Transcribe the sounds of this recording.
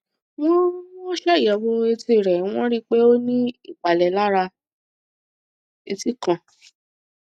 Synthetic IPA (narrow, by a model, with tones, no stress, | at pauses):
w̃ɔ̃˦ɔ˦ʃɛ˦i˨ja˨wo˧e˧ti˧˨ɾɛ˨˦w̃ɔ̃˦ɾi˦k͡pe˦o˦nĩ˦i˦˨k͡pa˨lɛ˨la˦ɾa˧ | e˧ti˦kã˨